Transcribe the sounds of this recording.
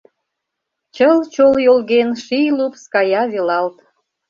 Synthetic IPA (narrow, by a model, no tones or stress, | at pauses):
t͡ɕəlt͡ɕoljolɣenʃijlupskɑjɑβelɑlt̪